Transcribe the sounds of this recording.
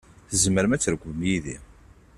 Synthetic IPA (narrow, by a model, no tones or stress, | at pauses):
θəzməɾəmæt͡sːɾəɡʷvəmjiðḭ